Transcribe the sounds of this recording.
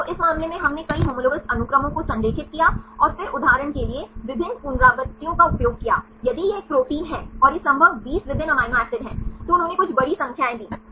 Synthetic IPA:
t̪oʔɪsmãːmlemẽɦɐmnẽkɐiɦɐmʊləʋəsɐnʊkɾəmõkosɐ̃nd̪eːkʰɪt̪̚kijaɔːɾfɪɾʔʊd̪ʱaːɾəɳ̃kelieʋɪbʱɪnːpunɾaːɡət̪ːijõkaʊpjoːɡ̚kija̰ː | jɐd̪ijeeːk̚pɾoːʈiːnɦɛ̃ːɔːɾjesɐ̃mbʱəbʋiːsʋɪbʱɪnɐmaːɪmaːɾsɪɖɦɛ̃ːt̪oʊnɦõːnẽkʊt͡ʃʰbɐɽisɐ̃ŋkʰjaːẽd̪iː

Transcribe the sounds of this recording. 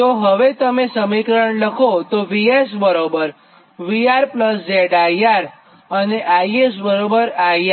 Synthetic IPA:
t̪oɦəʋet̪əmesəmikɾəɳləkʰot̪oʋiesbəɾobəɾ | ʋiaɾpləsd͡ʒeɖaiaɾ | əneʔaiesbəɾobəɾaia

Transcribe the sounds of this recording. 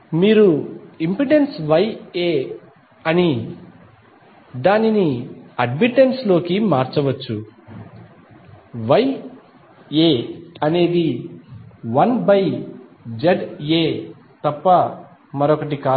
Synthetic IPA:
miːɾuimpiɖensʋɐjeː | ɐni | d̪aːniniɐɖmiʈːenslo̞ːkimaːɾt͡ʃɐʋɐt͡ʃːu | ʋɐj | eːɐne̞ːd̪i | ʋɐnbɐj | d͡ʒɐɖeː | t̪ɐpːɐ | mɐɾɔkɐʈ̬ikaː

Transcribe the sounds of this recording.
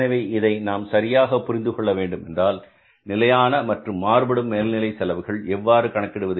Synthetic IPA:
ɐɪʋɐɪɪðɐɪnaːmsɐɾɪjaːɣɐpːʊɾɪnd̪ɯkɔɭːɐʋeːɳɖɯmɛ̰ndraːl | nɪlɐjaːnɐmɐʈrɯmːaːɾbɐɽɯmːeːlnɪlɐɪsɛlɐʋɯɣɐɭɛʋːaːɾɯkɐɳɐkːɪɽɯʋɐðɯ

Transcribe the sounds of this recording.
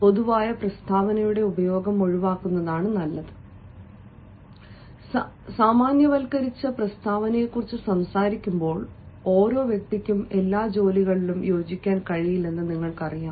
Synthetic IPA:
po̞ðuʋaːjɐprɐst̪ʰaːʋɐnɐjuɽe̞ubɐjo̞ːɡɐmo̞ɻiʋaːkːunːɐðaːɳɨnɐlːɐðɨ | saːmaːnjɐʋɐlkɐɾit͡ɕːɐprɐst̪ʰaːʋɐnɐjekːurit͡ɕːɨsɐmsaːɾikʲːumbo̞ːɭo̞ːɾo̞ːʋjɐk̚t̪ikʲːume̞lːaːd͡ʑo̞ːliɣɐɭilumjo̞ːd͡ʑikʲːaːnkɐɻijilːe̞nːɨniŋːɐɭkɐrijaːm

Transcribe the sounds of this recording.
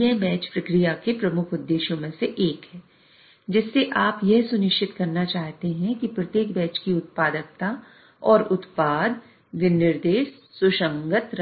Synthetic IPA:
ɛ̃bɛ̃ːt͡ʃpɾɐkɾijakepɾɐmʊkʰʊd̪ːeːʃjõmẽseʔeːkɦɛː | d͡ʒɪsːeʔaːpjɛɦsʊnɪʃt͡ʃɪt̪kɐɾnat͡ʃaːɦt̪eɦɛ̃kipɾɐt̪eːk̚bɛ̃ːt͡ʃkiʊt̪̚paːd̪ək̚t̪a | ɔːɾʊt̪paːd̪ | ʋɪnːɪɾd̪eːʃːʊʃə̃ŋɡət̪ɾ

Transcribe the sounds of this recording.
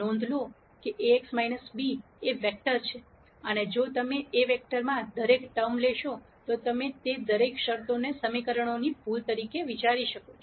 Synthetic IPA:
nɔ̃nd̪ʱlo | keʔeeksmajnəsbi | eʋek̚ʈəɾt͡ʃʰe | əned͡ʒot̪əmeeʋek̚ʈəɾmãd̪əɾekʈəmleʃo | t̪ot̪əmet̪ed̪əɾekʃəɾt̪onesəmikəɾəɳ̃onibʱult̪əɾikeʋit͡ʃaɾiʃəkot͡ʃʰo

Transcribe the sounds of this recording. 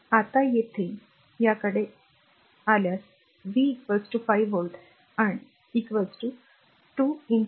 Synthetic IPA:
at̪ajet̪ʰe | jakəɽe | aljas | ʋikʋəɾsʈufajʋolɖ | aɳi | ikʋəsʈu | ʈuːin

